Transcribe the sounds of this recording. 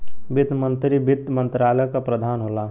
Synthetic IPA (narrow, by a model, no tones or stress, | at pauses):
bɪd̪mə̃nt̪ɾibɪt̪ːmə̃nt̪ɾaːləkapɾəd̪ʱaːnɦolaː